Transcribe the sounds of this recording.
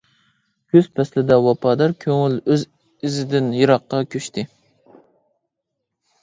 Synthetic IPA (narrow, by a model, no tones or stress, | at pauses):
kʲʰøz̥pʰɛslɪd̪ɛwɑpʰɑd̪ɑɾkʲʰøŋɪløz | ɪzɪd̪ɪnjɨɾɑqːɑkʲʰøʃt̪ʰɪ